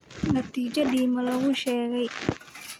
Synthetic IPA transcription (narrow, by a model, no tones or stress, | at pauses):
nɐt̪ʰiːt͡ʃɐɖiːmɐlɐɣʊʃɛːɣɛj